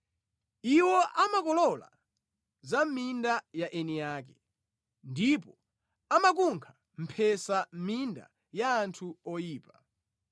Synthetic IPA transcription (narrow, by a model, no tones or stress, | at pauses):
iwɔʔamakɔlɔla̰ | zamindajaʔɛnijaːkɛ | ndipɔ | amak̬uŋkʰḁ | m̩pʰɛsaminda̰ | jaːntʰuɔjiːpa